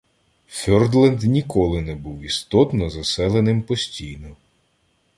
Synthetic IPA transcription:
fʲɔrd̪lˠɛnd̪nʲikɔlˠɪnɛbuwist̪ɔt̪nɔzɐsɛlˠenɪmpɔsʲtʲijnɔ

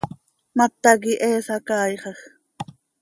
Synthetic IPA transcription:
mat̪ːɑkiʔeːsakɑːjχɑx

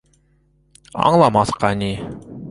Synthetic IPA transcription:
ɑ̰ɴlˠɑmɑθqɑni

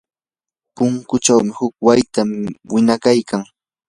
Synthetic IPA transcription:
pʊŋkʊt͡ʃawmɪhʊk̚wajt̪amwɪnakajkaŋ

